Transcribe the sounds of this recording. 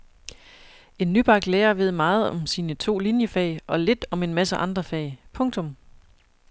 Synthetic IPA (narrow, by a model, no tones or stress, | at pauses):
e̝nːyb̥ɑ̈ɡ̥leːɐʋe̝ð̞̰ˠmɑ̈ːð̞̩ˠɒ̽msiːnət͡sʰo̝̰ːlinjəfɛ̰ɪʔɒ̽le̝d̥ɒ̽me̝nmæsəʔɑ̈nd̥ʁɐfɛ̰ɪpʰɔ̽ŋt͡sʰɔ̽m